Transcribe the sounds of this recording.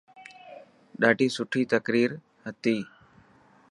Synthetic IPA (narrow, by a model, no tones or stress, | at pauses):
ɗaːʈiːsʊʈʰiːt̪əkɾiːɾ | ɦət̪iː